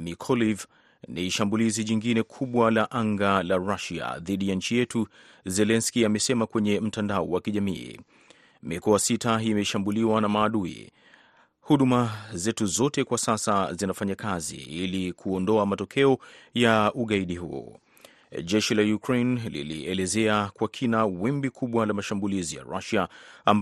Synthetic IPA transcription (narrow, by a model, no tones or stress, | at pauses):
mikʰɔliv | niʃambuliziɲiŋɡinɛkʰuɓwalaʔaŋɡalaɹaʃia̰ðiɗijaɲ̩t͡ʃijɛtʰu | zɛlɛnskiamɛsɛmakwɛɲɛm̩tandaɔwakiʄamiː | mikɔasitaimɛʃambuliwanamaːɗuḭ | huɗumazɛtuzɔtɛkwasasazinafaɲakazḭilikʰuɔndɔamatɔkʰɛɔjauɠaiɗihuɔ̰ | ʄɛʃilajukɾejnlḭlḭʔɛlɛzɛakwakʰinawɛmbikʰuɓwalamaʃambulizija̰ɾa̰ʃaamb